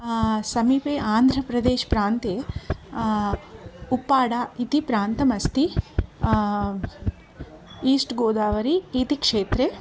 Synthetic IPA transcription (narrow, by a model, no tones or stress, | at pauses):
sɐmiːpeːʔaːnd̪ʱɾɐpɾɐd̪eːʃpɾaːnt̪eː | upːaːɽaːit̪ipɾaːnt̪ɐmɐst̪i | iːsʈɡoːd̪aːʋɐɾiːt̪ikʂeːt̪ɾe